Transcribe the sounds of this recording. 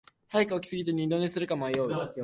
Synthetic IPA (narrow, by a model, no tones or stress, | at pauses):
hajikaokʲi̥sɨɡʲit̪eɲ̟ĩnd̪o̞ɲesɨɾɯ̟kamoajoː